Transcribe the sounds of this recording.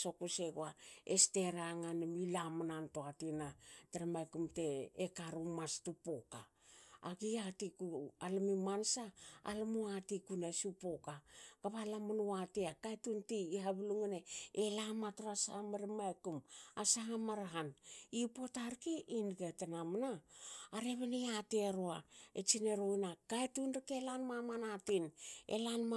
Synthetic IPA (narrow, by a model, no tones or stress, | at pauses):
so̞kuseɡoaeste̞ɾaŋanamilamanantoatinateɾamajkumte̞ːkaɾumastupokaː | ɡiatikualamimansa̰ːlamuatikunasupo̞kaɡ̥aβalamanuatiakajtuntiiɦaβuluŋeneelamatuɾasaamaɾimaekumasaɦamaɾaɦanipo̞taɾkiʔinɡatanamanaːɾeβeneateɾoaet͡ʃineɾojnakaetunɾikelanmamanatinḛlanm